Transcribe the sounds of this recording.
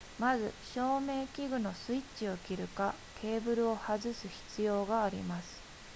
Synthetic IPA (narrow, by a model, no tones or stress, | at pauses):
mazɨ̰ɕo̞ːme̞ːkʲiɡɯ̟no̞sɨit͡ɕio̞kʲiɾɯ̟ka | kʰe̞ːbɯ̟ɾɯ̟o̞hazɨsɨçi̥t͡sɨjo̞ːɡaːɾʲḭmasɨ̥